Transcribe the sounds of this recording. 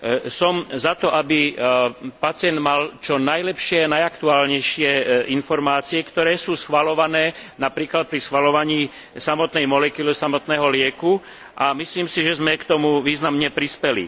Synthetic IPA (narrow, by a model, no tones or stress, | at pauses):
sɔmzat̪ɔʔabi | pat͡sɪɛnd̪malt͡ʃɔnajlɛpʃɪɛanajakt̪uaːlɲɛjʃɪɛinfɔɾmaːt͡siɛkt̪ɔɾɛːsuːsxʋalɔʋanɛːnapɾiːklat̪̚pɾisxʋalɔʋaɲiː | samɔt̪nɛjmɔlɛkuːlɛsamɔt̪nɛːɦɔlɪɛku | ʔamisliːmsiʒɛzmɛkt̪ɔmuʋiːznamɲɛpɾispɛlḭ